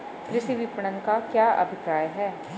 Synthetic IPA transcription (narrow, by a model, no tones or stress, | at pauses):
kɾɪʃiʋipɽənkakjaːʔɐ̰bʱɪkɾaːjɦɛː